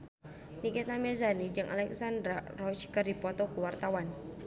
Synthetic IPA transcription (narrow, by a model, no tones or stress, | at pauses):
nikɛt̪amɛzanid͡ʒɨŋʔa̰lɛksand̪ɾarɔt͡ʃkərdipɔt̪ɔkuwart̪awan